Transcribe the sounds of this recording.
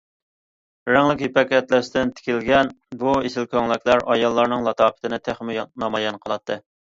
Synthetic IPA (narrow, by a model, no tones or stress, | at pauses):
ɾæŋlɪkʲhipɛkʲɛt̪læst̪ɪnt̪ʰɪ̥kʲilɡʲɛn | buesɪlkʲʰøŋlˠɪkʲʰlæɾɑjɑlˠːɑɾnɨŋlˠɑt̪ʰɑːpʰɪ̥t̪ʰɪnɪt̪ʰæχmɪjnɑmɑjɛnqʰəlˠɑt̪ʰːɨ